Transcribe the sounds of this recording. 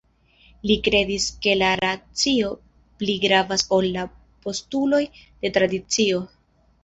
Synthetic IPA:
likɾe̞diske̞laɾat͡sio̞ | pliɡɾavaso̞lːa | po̞stulo̞jd̥e̞tɾadit͡sio̞

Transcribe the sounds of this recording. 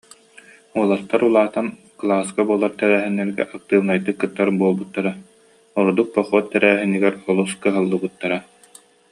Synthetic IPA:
uɔlˠat̪ːaɾulˠaːt̪an | klˠaːskabuɔlˠaɾt̪ɛɾæːɦɛnːɛɾɡɛ̰ʔak̚t̪ɯːlnajt̪ːɯkːɯt̪ːaɾbuɔlˠbut̪ːaɾa | ɔɾud̪uk̚pɔχuɔt̪ːɛɾæːɦiniɡɛɾɔlˠuskɯɦɯlˠːɯbut̪ːaɾa

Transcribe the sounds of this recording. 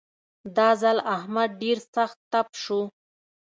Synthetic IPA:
d̪ɑzalahmad̪̚ɖeɾsaxt̪ːapʃu

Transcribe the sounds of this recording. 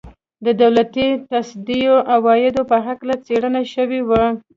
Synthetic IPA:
d̪əd̪awlat̪it̪asd̪ijoʔawɑjɪd̪opəɦaklat͡seɽənaʃəwiwa

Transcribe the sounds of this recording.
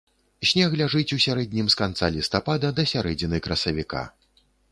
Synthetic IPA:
sʲnʲɛɣlʲaʐɨt͡sʲusʲaɾɛd̪ʲnʲimskant̪salʲist̪apad̪ɐd̪ɐsʲaɾɛd͡zʲinɨjkɾɐsɐvʲika̰

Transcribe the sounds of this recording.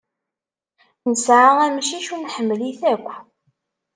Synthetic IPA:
nəsʕaʁæmʃiʃunħəmːliθækʷː

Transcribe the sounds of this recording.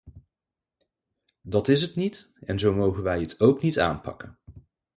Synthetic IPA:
dɑtɪs̬ɦətnitɛnzowmowχənʋɛjətʰowknita̰ːnpɑ̰kən

